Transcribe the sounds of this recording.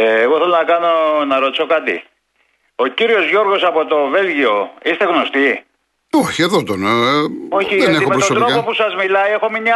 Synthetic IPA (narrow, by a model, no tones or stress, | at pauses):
eːɣoθelonɐkɐno̞nɐɾo̞t̪i̥so̞kɐt̪ḭ | o̞ciɾio̞zʝo̞ɾɣo̞sɐpo̞t̪o̞ve̞lʝio̞ist̪e̞ɣno̞st̪i | oçieðot̪ono̞çiðeneixmepɾsosd̪ɾokɐpopusɐzmilɐie̞xomiɲɐ